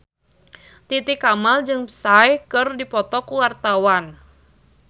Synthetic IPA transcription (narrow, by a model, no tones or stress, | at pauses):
t̪it̪ikamald͡ʒɨŋəsajkɨrdipɔt̪ɔkuwart̪awan